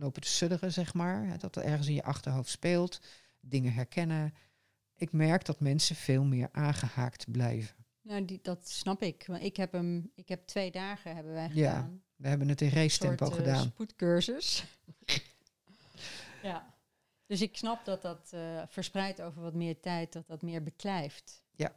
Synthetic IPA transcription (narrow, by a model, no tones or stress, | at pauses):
lowpətə̥sødərəzɛχmaːɹɦɛ̰dɔtətɛɹχənsɪnjə̰ʔɑχtəɹɦowftspɪːlˠt | dɪŋəɦɛɹkʰɛnə | ʔɪkmɛɹkdɔtmɛnsəv̥eːlˠmɪːɹʔaːnχəhaːktblɛ̰jvən | nowddɑtsnɑpɪkɪkɦɛpəmɪkɦɛp̚tʋejdaːχəɦɛbəʋɛjχja̰aːn | ʋəɦɛbənətɪnrejstɛmpoχədaːnputkøɹzəs | ja | d̥øsɪksnɑp̚dɑt̚dɑtfəɹsprɛjtowvəɹʋɑtmɪːɹtɛjt̚dɔt̚dɑtmɪːɹbəklɛjft | ja